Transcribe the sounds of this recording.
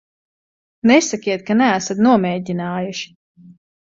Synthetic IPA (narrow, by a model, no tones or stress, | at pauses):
nɛsakʲiɛt̪̚kanææsat̪nuɔmɛːdʲinaːjuʃi̥